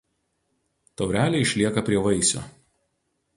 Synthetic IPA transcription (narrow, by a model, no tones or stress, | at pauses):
t̪ɐʊɾʲæːlʲɛɪɪʃʲlʲiɛkɐpʲɾʲiɛʋɐɪsʲo̰ː